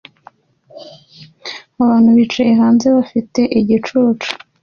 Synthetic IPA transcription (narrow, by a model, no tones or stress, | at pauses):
aβaːn̥huβiːt͡ʃajeɦaːnze̞βafite̞ʔiɟit͡ʃuːt͡ʃu̥